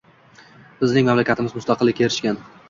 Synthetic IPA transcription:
bɪznɪŋmamlakʲat̪ʰɪmɪzmʊst̪ɑqɨlːɪkʲeɾɪʃkʲan

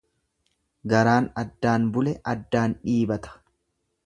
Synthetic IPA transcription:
ɡɐɾaːnɐd̪ːaːnbʊlɛʔɐd̪ːaːnᶑiːbɐt̪ɐ̥

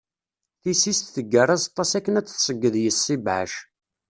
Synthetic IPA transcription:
θisist̪θəɡːərˤazɑt̪ˤːɑsækːənæt͡sːθsəɡːəðjəsːibʕa̰ʃ

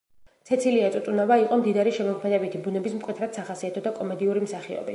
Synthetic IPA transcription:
t̪sʰɛt̪sʰiliat̪sʼut̪ʼunavaiqʼɔmd̪id̪aɾiʃɛmɔkʰmɛd̪ɛbit̪ʰibunɛbismkʼwɛt̪ʰɾat̪saχasiat̪ʰɔd̪akʼɔmɛd̪iuɾimsaχiɔ̰bi

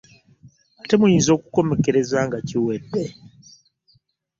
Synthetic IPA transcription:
kate̞mujiːnzo̞ːku̥ko̞me̞ke̞ɾe̞zaːŋɡaciwedːe

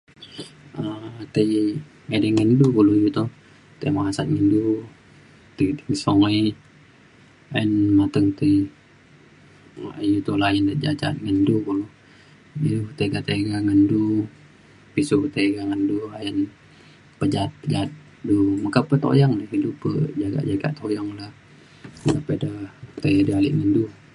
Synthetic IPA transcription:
ət̪əj | ŋedəŋəndukulujut̪u | t̪ḛjmaasa̰t̪̚ŋəndu | t̪ət̪əisoŋə | ajənmat̪əŋt̪ə | jut̪ulajəndəd͡ʒa̰t͡ʃa̰t̪̚ŋəndukulu | ilut̪eɡaʔt̪eɡaŋəndu | pisut̪eɡaŋənduajən | pəd͡ʒat̪̚pəd͡ʒat̪̚ | dumakapət̪o̰jaŋlahilupə̰d͡ʒaɡa̰ʔd͡ʒaɡa̰ʔt̪ojaŋlah | mɡapədat̪əjdəalḭʔŋəndu

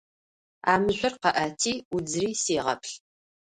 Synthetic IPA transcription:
a̰ːmɨʑʷʊrqɐʔatʰiːud͡zriːseːʁɐ̰pʰɬ

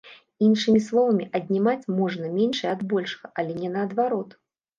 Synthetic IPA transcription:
inʂɨmʲislˠɔvɐmʲiʔɐd̪̚ʲnʲimat͡sʲmɔʐnɐmʲenʂɐjɛɐd̪bɔlʲʂɐ̥ɣɐʔɐlʲɛnʲɛnɐːd̪vaɾɔt̪

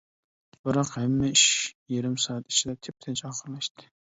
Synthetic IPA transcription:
b̥ɨɾɑqhæmːɛiʃjeɾɪmsɑːɑt̪i̥t͡ʃʰid̪ɛt̪ʰep̚t̪ʰɪnt͡ʃɑːχəɾlˠɑʃt̪ɨ̥

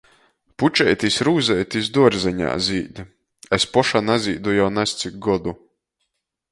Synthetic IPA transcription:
put͡ʃɛjt̪ʲisʲɾuːzɛjt̪is̬d̪uɔɾzɛɲa̰ːzʲiːd̪ʲ | espɔʃanazʲiːd̪ujawnast̪sik̚ɡɔd̪u

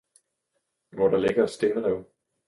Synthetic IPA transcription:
ʋɒɾɑ̈leɡ̥ɐsd̥e̝nəlɛʊ

